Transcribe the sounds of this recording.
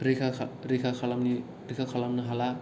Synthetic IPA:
ɾikʰaɾikʰakʰalamni | ɾikʰakʰalamnɯɦala

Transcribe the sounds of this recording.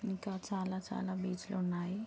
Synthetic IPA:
nikat͡ʃaːlat͡ʃa̰ːlabiːt͡ʃlonai

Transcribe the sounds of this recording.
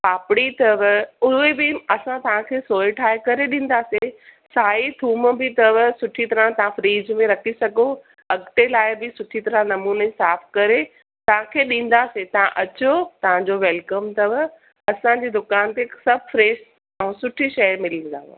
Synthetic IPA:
paːpɪɽit̪ɐʋʊɦebɪɐsãt̪ɐʋ̤ãkʰeːsoːɪʈʰaːekɐɾeɗĩːn̆d̪aːse | saːit̪ʰuːmbɪt̪ɐʋsʊʈʰit̪ɐɾãt̪ɐɦãfɾiːd͡ʑmẽɾɐkʰisɐɡo | ɐɡʈelaːɪbɪsʊʈʰit̪ɐɾãnɐmuːnəsaːfkɐɾe | t̪ɐʋ̤ãkʰeːɗĩːn̆d̪aːset̪ɐʋ̤ãʔɐt͡ɕot̪ɐʋ̤ãd͡ʑoʋɛːlkəmt̪ɐʋ | ɐsãd͡ʑeːd̪ʊkaːnt̪esɐbfɾeːs | ɛ̃sʊʈʰiʃɐjmɪlə̃nd̪a̰ːʋ̰

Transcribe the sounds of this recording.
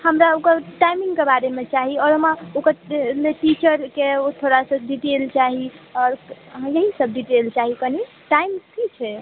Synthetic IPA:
həmɾaokəʈajmiŋɡkebaɾemet͡ʃaɦiɔɾɦəmaokəleʈit͡ʃəɾkeot̪ʰoɾasə̃ɖiʈelt͡ʃaɦiɔːɾjeɦisəb̚ɖiʈelt͡ʃaɦikəni | ʈaimkit͡ʃʰɛ

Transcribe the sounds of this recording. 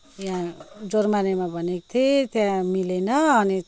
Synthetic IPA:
jãd͡zormanemabʱʌnekt̪ʰet̪jãmilenʌʌni

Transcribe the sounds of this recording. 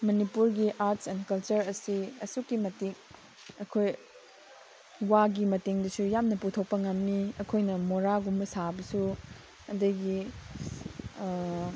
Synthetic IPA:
mɐnipuɾɡiʔaɾtsɛnkɐlt͡ʃɐɾɐsiɐsukːimɐteŋ | ɐkʰoj | waɡimɐteŋdɐsujamnɐputʰok̚pɐŋɐmniɐkʰojnɐmoɾaɡumːɐsabɐsu | ɐdɐɡi

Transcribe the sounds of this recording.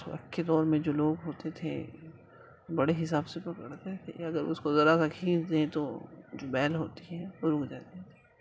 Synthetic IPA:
ɐ̰kːed̪ɔːɾmẽd͡ʒoːloːɡɦoːt̪et̪ʰḛ | bɐɽeɦɪsaːbsepɐkəɽt̪et̪ʰḛɐɡəɾʊ̰skozɐɾasakʰiːnd̪ẽt̪od͡ʒoːbɛːlɦo̰ːt̪iɦɛ̃ʋoɾʊkʰd͡ʒaːt̪et̪ʰe̥

